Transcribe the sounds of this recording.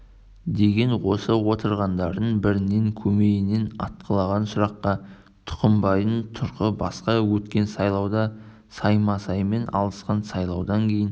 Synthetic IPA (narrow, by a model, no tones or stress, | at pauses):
d̪e̞ɡʲe̞nwo̞səwo̞t̪əɾʁɑnd̪ɑɾd̪əɴbɪɾɪne̞ŋkʲʰɵmeɡɪne̞nɑ̰t̪̚qʰəlˠɑʁɑnsʊɾɑqːɑ | t̪ʰʊ̥qəmbɑjənt̪ʰʊɾqəbɑ̰sqɑwɵt̪kʲe̞nsɑjlˠɑwd̪ɑ | sɑjmɑsɑjme̞nʔɑ̰lˠəsqɑnsɑjlˠɑwd̪ɑŋkʲʰe̞jɪn